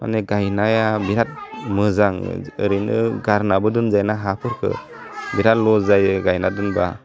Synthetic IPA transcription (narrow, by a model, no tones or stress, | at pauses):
ma̰neɡajnajabiɾat̚mɯzaŋɯ̰ɾɯjnɯɡaɾnabɯdɯnzajnaɦapʰɯɾkʰɯ̰ | biɾat̚lɔzajɡajnadɯnba̰